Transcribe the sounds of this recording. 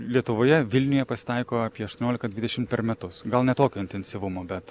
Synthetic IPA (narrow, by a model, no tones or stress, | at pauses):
lʲiɛt̪ʊʋoːjɛʋʲɪlʲnʲʊjɛpɐsʲɪ̥t̪ɐɪkoːɑːpʲiɛɐʃt̪oɔnʲoːlʲɪkt̪ɐd̪ʲʋʲɪd̪ʲɛʃʲɪmt̪pʲɛɾmʲɛt̪ʊsɡɐlˠnʲɛt̪oːkʲoːɪnʲt̪ʲɛɪnʲsʲɪʋʊmoːbʲɛt̪